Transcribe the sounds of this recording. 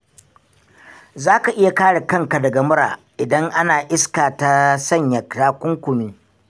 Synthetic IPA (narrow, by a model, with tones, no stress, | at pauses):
zaː˦ka˨ʔɪ˦ja˨kaː˦ɽe˨kɐ˦ŋka˨dɐ˨ɡɐ˨mʊ˦ɾa̰ː˨ | ʔɪ˨dɐ˦ŋʔa˦naː˨ʔɪ˦skaː˨ta˦sɐ˦˨ɲjɐ˨kɾaː˦kʷʊ˦ŋkʷʊ˨miː˦